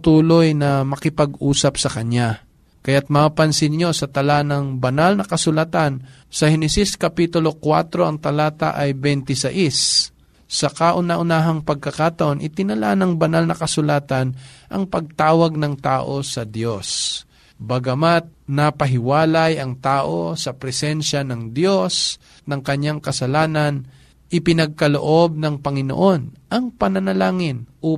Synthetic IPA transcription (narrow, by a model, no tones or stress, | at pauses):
t̪uːlo̞jnɐmɐkɪpɐɡʔuːsɐpsɐkɐɲa | kɐjat̪̚mapɐnsɪnɲo̞sɐt̪ɐlanɐŋbɐnalnɐkɐsʊlat̪an | sɐhɛnɛsiskɐpit̪ʊlo̞kwa̰t̪ɾo̞ʔɐŋt̪ɐlaːt̪a̰ʔɐjbɛnt̪ɪsɐʔis | sɐkaʔʊnaʔʊnaːɦɐŋpɐɡ̚kɐkat̪ɐʔo̞nʔɪt̪ɪnɐla̰nɐŋbɐnalnɐkɐsʊlaːt̪ɐnʔɐŋpɐɡ̚t̪aːwɐɡ̚nɐŋt̪a̰ːʔo̞sɐd̪jo̞s | bɐɡɐmat̪̚nɐpɐɦɪwaːlɐjɐŋt̪aːʔo̞sɐpɾɛsɛnʃanɐŋd̪jo̞s | nɐŋkɐɲːaŋkɐsɐlaːnɐn | ʔɪpɪnɐɡ̚kɐlo̰ʔo̞b̚nɐŋpɐŋɪno̰ʔo̞nʔɐŋpɐnɐnɐlaːŋɪnʔo